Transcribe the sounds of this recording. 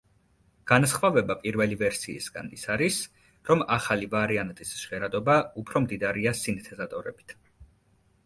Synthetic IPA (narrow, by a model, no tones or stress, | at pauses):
ɡ̥anasχvavɛbapʼiɾvɛlivɛɾsḭːsɡ̥a̰nḭsaɾis | ɾɔmaχalivaɾiant̪ʼisʃʁɛɾad̪ɔbaupʰɾɔmd̪id̪aɾiasint̪ʰɛzat̪ʼɔɾɛ̰bit̪ʰ